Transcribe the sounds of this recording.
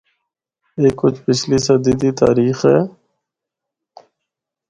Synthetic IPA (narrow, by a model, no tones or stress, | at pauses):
eːkːʊt͡ʃʰpɪt͡ʃʰliːsəd̪iːd̪iːt̪a̰ːɾiːxɦɛː